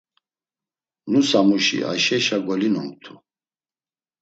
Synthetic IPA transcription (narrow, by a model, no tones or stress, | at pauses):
nusamuʃḭa̰ʃɛʃaɡɔlinɔmt̪ʰu